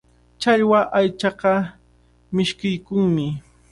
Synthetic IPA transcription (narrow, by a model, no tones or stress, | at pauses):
t͡ʃaʎwaʔajt͡ʃɑɢɑ | mɪʃkɪjkʊŋmɪ